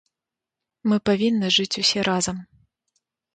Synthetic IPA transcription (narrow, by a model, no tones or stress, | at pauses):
mɨpavʲinːɨʐɨt͡sʲusʲɛɾʔazɐm